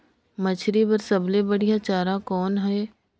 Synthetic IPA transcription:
mɐt͡ʃʰɾipɐɾsɐblebɐɽijat͡ʃaːɾakɔːnɦɛeː

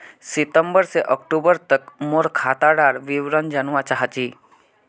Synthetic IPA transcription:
sit̪əmbəɾseʔəkʈubəɾt̪əkmoɾkʰat̪aɽaɾʋiʋɾənd͡ʒənʋat͡ʃaɦət͡ʃi

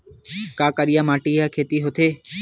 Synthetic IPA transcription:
kaːkəɾijamaːʈiakʰeːt̪iɦot̪ʰeː

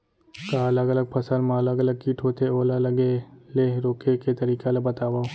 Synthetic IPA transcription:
kaɐləɡɐləɡ̚pʰɐsəlmãɐləɡɐləɡ̚kiːʈʰot̪ʰeoːlalɐɡeleɾoːkeket̪ɐɾiːkalɐbɐt̪aːwaːo

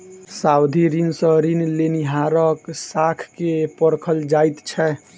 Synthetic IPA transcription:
sawd̪ʱiɾinsə̃ɾinleniɦaɾəksakʰkepəɾkʰəld͡ʒajt̪t͡ʃʰɛ

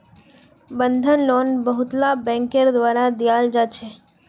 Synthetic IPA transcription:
bənd̪ʱənlonbəɦʊt̪labɛ̃ːŋkəɾd̪ʋaːɾad̪ijaːld͡ʒat͡ʃʰe

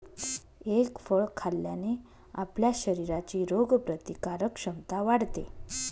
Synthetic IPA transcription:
ekfəɭkʰaljane | apljaɕəɾiɾat͡ɕiːɾoɡpɾət̪ikaɾəkɕəmt̪aʋaɽt̪e

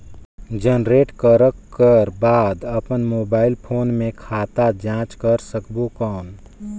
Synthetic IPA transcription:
d͡ʒənɾeːʈkəɾəkːəɾbaːd̪əpənmoːbaːɪlpʰoːnmẽkʰaːt̪ad͡ʒãːt͡ʃkəɾsəkbokɔːn

